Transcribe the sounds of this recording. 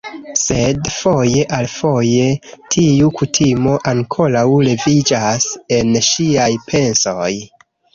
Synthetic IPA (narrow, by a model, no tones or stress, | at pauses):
se̞dfo̞je̞ʔalfo̞je̞tʰiukutʰimo̞ʔaŋkʰo̞ɾawle̞vid͡ʒase̞nʃiajpʰe̞nsoj